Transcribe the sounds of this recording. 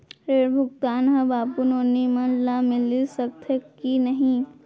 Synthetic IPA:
ɾeːɾbʱʊk̚t̪aːnɦəbaːpunoːnimə̃nlamɪlisəkt̪ʰəkinəɦĩ

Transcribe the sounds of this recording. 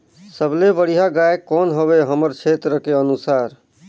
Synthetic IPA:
səblebəɽ̤ijɦaɡaekːɔːnɦəbeɦəməɾt͡ʃʰet̪ɾəkeənusaːɾ

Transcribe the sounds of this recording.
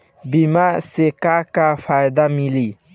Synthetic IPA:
bimasekakafʰajd̪amili

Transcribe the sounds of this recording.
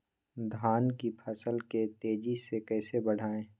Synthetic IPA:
d̪ʱaːnkipʰɐsəlket̪eːd͡ʒisekɛːsebɐɽ̤ʱaːẽː

